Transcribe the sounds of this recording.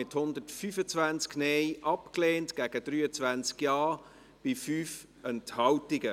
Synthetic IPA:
ɪthʊnd̪ətfyːfət͡svænt͡sknɛɪjʔɑpkleːntɡ̥æɡ̥əd̥ɾyːət͡svænt͡skjɑː | b̥ɪfyːf | ɛnthɑwtɪɡə

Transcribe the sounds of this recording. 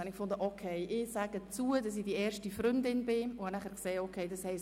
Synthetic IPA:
ɑnɪkfʊndəʔokʰeɪʔɪsæɡət͡suːədɑs̬ɪd̥iɛːɾʃtifɾʏndɪnbɪʊhɑnæχəɾkseːokʰeɪdɑshɛɪs

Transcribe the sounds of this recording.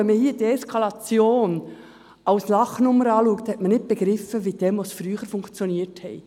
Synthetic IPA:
ɛnməhiːədiɛskʰɑlɑt͡sjoːn | ɑwslɑχnʊmːəɾɑːluːkt̪hɛtmənɪt̚b̥eɡɾɪfəʋid̥ɛmʋosfɾyːχəɾfʊŋkt͡sjoniəthɛɪ

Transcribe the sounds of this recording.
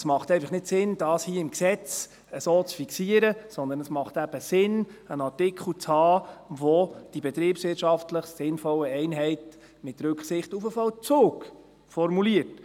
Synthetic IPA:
smɑχt̪ɛɪfɑχnɪtsɪnd̥ɑːshiːəɪmksɛt͡s | əsoːt͡sfiksiəɾəsɔnd̪ənəsmɑχtæb̥əsɪnənɑɹtɪkʰχl̩t͡shɑːʋɔd̥ibɛt̪ɾiːpsʋɪːtʃɑftləχsɪnfɔləɛɪnɦɛɪt | mɪt̪ɾʉkχsɪχtufəfɑlt͡soːk | fɔɾmuliət

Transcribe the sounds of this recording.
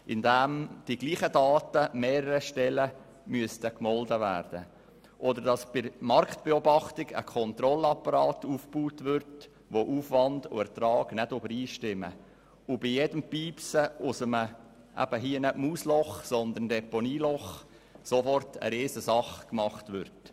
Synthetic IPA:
ʔɪndæmd̥iɡ̥liːχədɑːtəmɛːɾəɾəʃtɛlə | myəst̪əkmɔldəvæ̰ːɾd̥ə̰ | ʔɔd̪əɾd̥ɑsb̥ɪɾmɑrktb̥eɔbɑχt̪ɪɡə̰kʰɔnt̪ɾɔlɑpɑɾɑːt̪uːfb̥uːtʋʏɾt | ʋoʔuːfʋɑndʊ̰ɛɾt̪ɾɑːɡ̥nɛdøbəɾiːʃtɪmə̰ | ʊbɪjɛd̥əmpiːpsəʊsəmə | ʔæ̰b̥əɦiənəmuːslɔχsɔnd̪əndɛponiːlɔχ | sofɔrtʰə̰ɾeːzəsɑχkmɑχt̪ʋʏɾt

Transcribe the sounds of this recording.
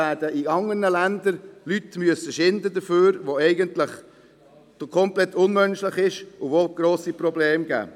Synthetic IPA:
æːd̥əiɑŋərnəlænd̪əɾlyt̪myəsəʃɪnd̪əd̪əføːɾʋoɛɪɡənt̪lɪχ | d̥okʰɔmplɛt̪ːʊnmœnʃlɪχɪʃʊʋoɡ̥ɾoːsipɾɔbleːmɡæ̰ː

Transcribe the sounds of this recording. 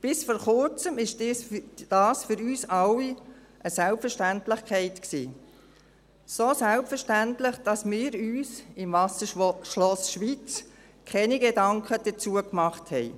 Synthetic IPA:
b̥ɪsfɔːɾχʊɾt͡səmɪʃ | d̥ɑːsfʏɾyːsɑwi | ʔəsælpfəɾʃtæntlɪχkʰɛɪtksḭː | sosælpfəɾʃtæntlɪχd̥ɑsmɪːɾyːsɪmvɑsəʃlɔsʃʋiːt͡s | kʰɛniɡedɑŋkʰəd̥ət͡suəkmɑχthɛɪ

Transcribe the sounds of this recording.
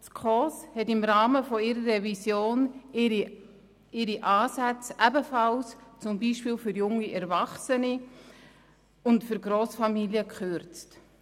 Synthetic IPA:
skʰɔshɛtɪmɾɑːməfɔɪɾərːɛvisjoːn | ɪɾiʔaːsæt͡sʔæbəfɑlst͡sʊmbiːʃpiːlfyɾjʊŋːiɛɾvɑχsəni | ʊntfyɾɡɾoːsfɑmiljəkχʏɾt͡st

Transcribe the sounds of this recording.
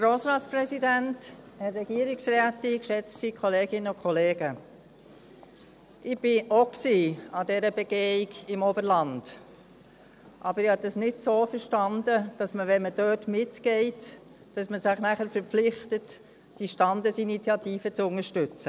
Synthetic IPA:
ɡɾoːsɾɑːtt͡spɾɛsidænt | hɛɾːɛɡiəɾɪksræːtɪkʃɛt͡stsikʰɔleːɡɪnəʊkʰɔleːɡ̥ə | ʔɪb̥ɪʔoksiːɑdɛɾəbeɡ̥eːɪɡɪmobəɾlɑnd̥ | ʔɑbəɾɪhɑdɑsnɪtsoːfəɾʃtɑndəd̥ɑsməʋɛnməd̥øːtmɪtkɛɪt | d̥ɑsməsɪχnæχəɾfəɾpp͡flɪχtət | d̥iʃtɑndəsinit͡sjɑtiːfət͡sʊŋəɾʃtʏt͡sə

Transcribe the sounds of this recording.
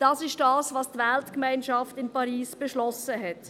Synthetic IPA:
d̥ɑːsɪʃd̥ɑːsʋɑːstvɛltkmaɪnʃɑftɪnpɑɾiːsb̥eʃlɔsəɦɛt

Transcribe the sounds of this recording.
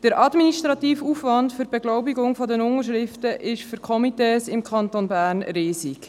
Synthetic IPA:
d̥əɾʔɑdminiʃtɾɑt̪iːfuːfʋɑndfʏɾb̥ɛɡlɔʊbiɡʊŋfɔdənʊŋəɾʃ̬ɾɪftəʔɪʃfyɾkʰχɔmiteːsɪmkʰχɑnt̪onbæːrnɾeːsi

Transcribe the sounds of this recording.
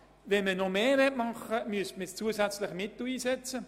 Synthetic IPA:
vɛnmənomeːɾɛtmɑχəmyəstməst͡suəsæt͡slɪχmɪt̪l̩iːsɛt͡sə

